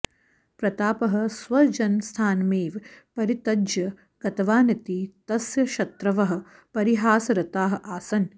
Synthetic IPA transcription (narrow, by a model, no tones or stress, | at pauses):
pɾɐt̪aːpɐɦɐ̆sʋɐd͡ʒɐnst̪ʰaːnmeːʋpɐɾit̪ɐd͡ʒjɐ | ɡ̥ɐt̪ɐʋaːnɐt̪it̪ɐsjɐʃɐt̪ɾɐʋɐɦɐ̆ | pɐɾiɦaːsɐɾɐt̪aːɦɐʔaːsɐn